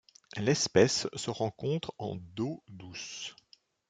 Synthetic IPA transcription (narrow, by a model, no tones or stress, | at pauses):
lɛspɛsːəʁɑ̃kɔ̃t̪χɑ̰̃d̪od̪us